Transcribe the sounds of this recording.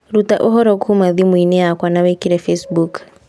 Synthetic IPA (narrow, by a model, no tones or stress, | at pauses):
ɾuta̰ʔoɦɔɾɔkuhumaðimwinɛjakwanawɛkiɾɛfɛsbuk